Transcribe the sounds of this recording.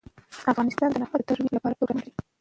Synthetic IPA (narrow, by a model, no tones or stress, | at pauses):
afɣɑnɪst̪ɑnd̪ənafaət̪aɾwiɾlapɑɾapəɡanɾi